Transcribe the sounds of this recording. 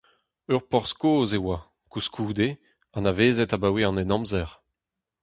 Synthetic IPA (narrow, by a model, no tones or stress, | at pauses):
œʁpɔʁskoːzewa | kuskʰuːd̪e | ɑ̃naveːzɛtabaweɑ̃nɛnɑ̃mzɛʁ